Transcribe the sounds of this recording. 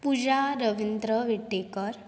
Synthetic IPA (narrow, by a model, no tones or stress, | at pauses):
pud͡ʑaɾəʋind̪ɾəʋiʈːekəɾ